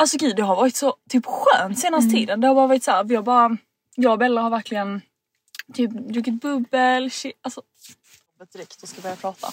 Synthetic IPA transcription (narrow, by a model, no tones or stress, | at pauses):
alsɔɡʉ̟ːd̪d̪ɛɦaɾvɑːɾɪt̪sɔt̪ʰyːpɧøːnt̪seːnast̪ət̪ʰiːd̪ənd̪ɛhaɾbɑːɾvɑːɾɪt̪sæːɾfɪjɑbɑːɾa | jɑːɡbɛlːəɾhaɾvæɾkʰlɪɡən | t̪ʰyːpd̪ɾʉːkɪt̪̚bɵbːəlɕɪalsɔ | ɔbət̪̚d̪ɪɾɛkt̪jɔskabœɾjapʰɾɑːt̪ʰa̰